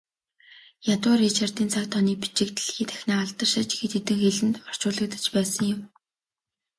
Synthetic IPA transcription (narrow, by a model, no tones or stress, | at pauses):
jat̪ʊːrit͡ɕʰart̪iːnt͡sʰakt̪ʰɔniːpi̥t͡ɕɪ̆kt̪ɮxiːt̪ʰæ̥xʲnaːaɮt̪ə̆rʃɪ̆t͡ɕɡet̪ʰet̪ɘ̆ŋxeɮɘ̆nt̪ɔr̥t͡ɕʊːɮə̆k̚t̪ə̥̆t͡ɕpæːsə̆ŋjʊm